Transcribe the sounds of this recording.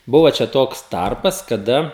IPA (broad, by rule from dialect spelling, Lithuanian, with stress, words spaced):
ˈbʊʋɐ t͡ʃʲɛ ˈtoːks ˈtɐrpɐs kɐˈdɐ